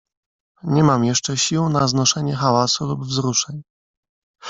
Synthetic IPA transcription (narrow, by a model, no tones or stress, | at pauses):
ɲɛmamjɛʂt͡ʂɛɕiwnaznɔʂɛɲɛxawasulubvzɾuʂɛɲ